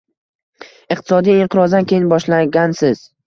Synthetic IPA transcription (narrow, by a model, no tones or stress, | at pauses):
ɪq̚t̪ʰɪ̥sɒd̪ijɪɴqʰɨɾɒzd̪ankʲʰe̞jɪnbɒʃlaɡʲansɪz̥